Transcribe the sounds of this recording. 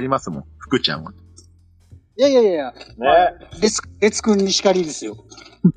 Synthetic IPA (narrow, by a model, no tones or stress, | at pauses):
ɾʲimasɨmõɸɯ̥kɯ̟t͡ɕã̰ŋ̃o̰ | jajajajaneɾet͡sɾe̞t͡sɨ̥kɯ̟̃ɲ̟ːiɕi̥kaɾʲid̪e̞sɨjo̞